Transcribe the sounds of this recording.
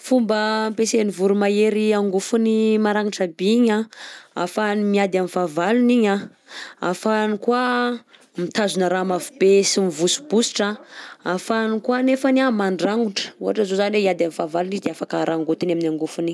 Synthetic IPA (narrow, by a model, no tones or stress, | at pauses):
fumbəmpesenivuɾumaeɾiaŋɡufunimaɾaŋiʈ͡ʂabiiɲaa̰fanimiad̪amifavaluniɲa | a̰fanikwa | mit̪azunəɾamavubesimivusu̥busi̥ʈ͡ʂaafanikwanefanamaɳɖ͡ʐaŋuʈ͡ʂə̥uɦaʈ͡ʂəzozaniweiad̪amifavalunizd̪eafakəɾʔaŋɡot̪inaminaŋɡufuni